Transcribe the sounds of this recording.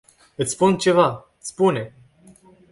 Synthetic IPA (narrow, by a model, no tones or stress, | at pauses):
ɨt̪sʲspunt͡ʃe̞vaɨt̪sʲpune̞